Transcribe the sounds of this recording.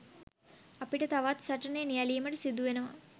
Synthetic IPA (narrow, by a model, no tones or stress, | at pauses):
ɐpiʈɐt̪ɐʋaːt̪sɐʈɐneːnijalijɐmɐʈɐsid̪ːuʋenɐʋa̰